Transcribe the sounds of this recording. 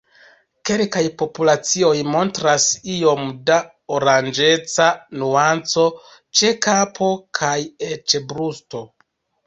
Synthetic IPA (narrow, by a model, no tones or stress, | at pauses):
ke̞lkajpo̞pulat͡sio̞jmo̞ntɾasio̞mda | oɾand͡ʒe̞t͡sanuant͡so̞ | t͡ʃekapʰo̞kʰajet͡ʃebɾusto̞